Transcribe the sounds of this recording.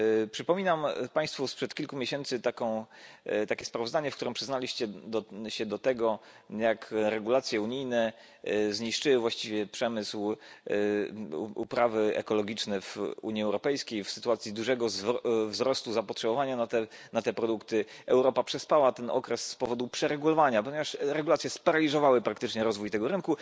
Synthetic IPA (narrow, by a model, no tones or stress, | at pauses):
pʂɘpɔmʲinampaj̃st̪fuspʂɛt̪̚kʲilkumʲeɕɛnt̪sɘt̪akɔ̃w̃t̪akʲɛspɾavɔzd̪aɲɛfkt̪uɾɛmpʂɘznalʲiɕt͡ɕɛd̪ɕɛd̪ɔt̪ɛɡɔ | jakɾɛɡulat̪sʲjɛuɲijnɛ | zɲiʂt͡ʂɘwvwaɕt͡ɕivʲjɛpʂɛmɘsw | ṵpɾavɘɛ̰kɔlɔɡʲit͡ʂnɛvṵɲiɛwɾɔpɛjskʲejfsɘt̪uat̪sʲjid̪uʐɛɡɔzvzɾɔst̪uzapɔtʂɛbɔvaɲanat̪ɛnat̪ɛpɾɔd̪ukt̪ɘɛwɾɔpapʂɛspawat̪ɛnɔ̰kɾɛsspɔvɔd̪upʂɛɾɛɡulɔvaɲapɔɲevaʂɾɛɡulat̪sʲjɛspaɾalʲizɔvawɘpɾakt̪ɘt͡ʂɲɛɾɔzvujt̪ɛɡɔɾɘnku